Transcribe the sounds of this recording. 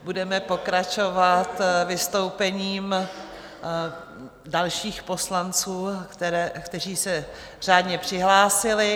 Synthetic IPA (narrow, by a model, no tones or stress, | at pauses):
budɛmɛpo̞kɾat͡ʃo̞vat̪vɪst̪o̞wpɛɲiːm | dalʃiːxpo̞slant͡suːt̪ɛɛkt̪ɛriːsɛ | r̝̥aːdɲɛpr̝̥ɪɦlaːsɪlɪ